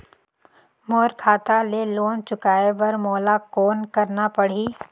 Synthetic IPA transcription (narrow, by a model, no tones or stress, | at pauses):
moːɾkʰaːt̪aleːloːnt͡ʃʊkaːeʋɐɾmoːlakoːnkɐɾnapɐɽ̤iː